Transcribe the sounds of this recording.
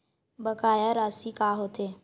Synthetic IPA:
bəkaːjaɾaːsikaːɦoːt̪eː

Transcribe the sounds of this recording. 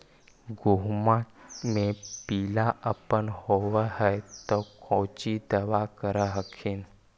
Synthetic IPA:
ɡuɦmãʈmepiːlaʔəpənhoʋəɦəjt̪okʰɔ̃t͡ʃid̪əʋakəɾəɦəkʰin

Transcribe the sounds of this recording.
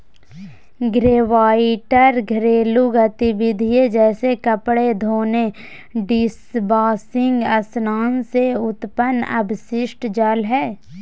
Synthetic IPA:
ɡɾeːʋaːɪʈəɾɡʱɾeːluɡət̪ɪbɪd̪ʱijed͡ʒɛːsekəpɽed̪ʱoːne | ɖɪsbaːsɪ̃ŋɡəsnaːnseʊt̪pənə̰bʱʃɪʃʈd͡ʒəlɦɛː

